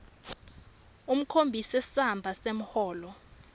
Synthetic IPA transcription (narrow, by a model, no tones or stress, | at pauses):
um̩kʰombʱisɛssambʱasem̩hɔːlɔ